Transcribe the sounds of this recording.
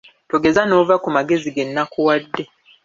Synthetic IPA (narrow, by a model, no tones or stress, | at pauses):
toɡe̞zano̞ːvakumaɡe̞ziɡe̞nːakuwadːe̞